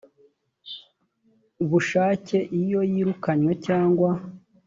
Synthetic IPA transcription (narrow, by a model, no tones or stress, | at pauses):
uβuʃaːce̞ʔijo̞jiːɾukaɲwe̞caːŋɡwa